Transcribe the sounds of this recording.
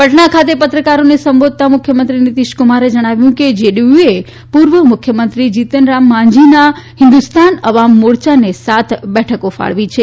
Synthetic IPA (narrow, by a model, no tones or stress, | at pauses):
pəʈɳakʰat̪epət̪ɾəkaɾonesəmbod̪̚t̪amʊkʰjəmənt̪ɾinit̪iʃkʊmaɾed͡ʒəɽ̃aʋjũked͡ʒeɖiue | puɾʋəmʊkʰjəmənt̪ɾid͡ʒit̪ənɾamːãɲd͡ʒinaɦɪ̃nd̪ust̪ʰanəʋamːoɽt͡ʃanesat̪ʰbɛʈʰəkofa̰ɭʋit͡ʃʰe